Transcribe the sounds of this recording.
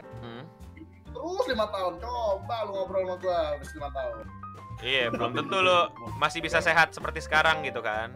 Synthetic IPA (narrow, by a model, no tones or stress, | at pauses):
t̪əɾʊslimat̪aʊnt͡ʃɔt̪aluŋabəɾamat̪uabislimat̪aʊn | ijabəlmt̪ənt̪ulomasɪhbisaseɦat̪̚səpərt̪isə̥kaɾaŋɡit̪ukan